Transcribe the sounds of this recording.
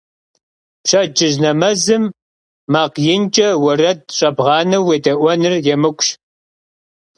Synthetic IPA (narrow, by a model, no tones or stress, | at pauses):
pɕɐd͡ʒʼɪʑnɐmɐzɨmː | aːqjɪnt͡ʃʼɐwɐrɐt̚ɕʼɐbʁɑːnɐwːeːdɐʔʷɔnɨrjɛmɨkʷʼɕ